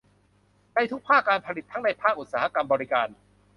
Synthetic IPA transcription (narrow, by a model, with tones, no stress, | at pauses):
na˧jt̪ʰu˦˥k̚pʰaː˥˩kːaː˧npʰa˧li˨˩t̪ʰːa˦˥ŋna˧jpʰaː˥˩k̚ʔu˨t̪̚saː˦˩ha˧ka˧mbɔː˧ɾi˦˥kaː˧n